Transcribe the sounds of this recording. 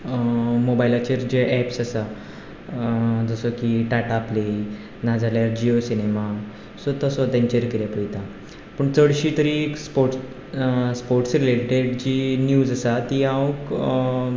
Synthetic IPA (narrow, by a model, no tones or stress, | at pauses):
mobajlat͡ɕeɾd͡ʑeʔɛpsasa | d͡zəsɔkiʈaʈaple | nad͡zʱaljaɾd͡ʑiosinema | sot̪əsɔt̪ẽɲt͡ɕeɾkiɾjepəjt̪a | pəɳt͡səɽɕiːt̪əɾikspoɾʈ | spoɾʈsɾileʈeɽd͡ʑiːnjuːd͡zəsat̪iːãʋũk